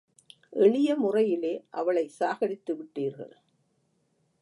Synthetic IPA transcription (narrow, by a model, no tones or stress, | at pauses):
ʔɛɭɪjɐmʊrɐjɪleːʔɐʋɐɭɐɪsaːɣɐɽɪt̪ːɯʋɪʈːiːɾɣɐ̰ɭ